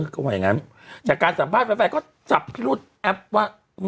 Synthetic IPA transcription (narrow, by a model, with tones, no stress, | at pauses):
ɯ˧˩ka˧˩waː˧˨ja˨˩ŋa˦˥n | t͡ɕaː˨˩kːaː˧nsa˨˩˦mpʰaː˥˩pa˧˩fa˧˩kɔː˥˩ | t͡ɕa˨˩p̚pʰi˥luː˥˩t̪̚ʔɛ˦˥p̚waː˥˩ | m